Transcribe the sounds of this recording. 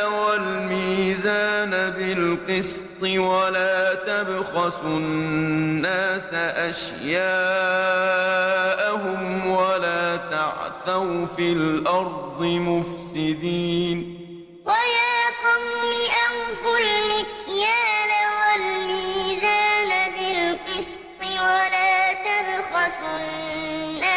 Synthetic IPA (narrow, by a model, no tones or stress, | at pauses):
walmiːzaːnabɪlqɨs | t̪ˤɨwalaːt̪abxasʊ | nːaːsaʔaʃ | jaː | ʔaɦʊmwalaːt̪a̰ʕθawfilʔɑɾˤd̪ˤɨmʊfsɪd̪iːn | wajaːqʊmːɪʔamfʊlmɪkjaːnawalmiːzaːnabɪlqɨs | t̪ˤɪwalaːt̪abxasʊː | aː